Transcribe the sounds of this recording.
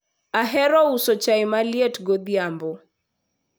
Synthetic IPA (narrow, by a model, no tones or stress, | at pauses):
aɦɛɾɔusɔt͡ʃaɪmaljetɡod̪jambɔ